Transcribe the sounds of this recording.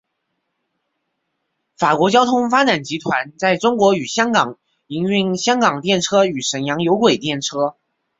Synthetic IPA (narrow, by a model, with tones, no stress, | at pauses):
fa˨˩kwɔ˧˥t͡ɕjɑ˥ʊt̪ʰʊ˥ŋfa˥ʈ͡ʂa˨˩nt͡ɕi˧˥t̪ʰwa˧˥nt͡sa˥˩ɪʈ͡ʂʊ˥ŋkwɔ˧˥y˨˩ɕjɑ˥ŋkɑ˨˩ŋ | i˧˥ŋy˥˩ŋɕjɑ˥ŋkɑ˨˩ŋt̪jɛ˥˩nʈ͡ʂʰɤ˥y˨˩ʂə˨˩njɑ˧˥ŋjo˧˥ʊkwe˨˩ɪt̪jɛ˥˩nʈ͡ʂʰɤ˥